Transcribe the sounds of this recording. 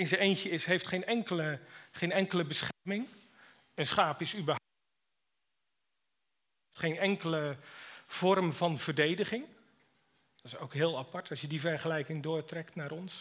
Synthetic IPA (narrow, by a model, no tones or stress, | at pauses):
ɪnzəejntəɪsɦejftχejnɛŋkələχejnɛŋkələbəsχɛrmɪŋ | ənsχaːpɪsybəɦ | ftχejnɛŋkələ | v̥ɔrmvɑnv̥ərdejdəχɪŋ | dɔtɪsowkɦɪːlˠapɑɹtɑsjədivɛrχəlɛjkɪŋdʊːɹtrɛktnaːɾɔns